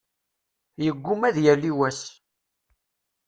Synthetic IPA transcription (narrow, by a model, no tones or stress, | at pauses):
jəɡʷːʊmæðjælːiwæs